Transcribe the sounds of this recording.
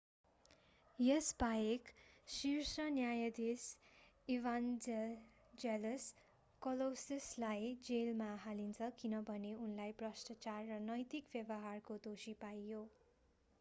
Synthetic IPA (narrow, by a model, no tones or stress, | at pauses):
jʌsbajeksirsʌnjajʌd̪es | iʋand͡z | d͡zeles | kʌlosislajd͡zelmaɦalint͡sʰʌkinʌbʱʌneunlajbrʌsʈ̪ʌt͡sarːʌnʌjt̪ikbjʌbʌɦarkod̪osipajjo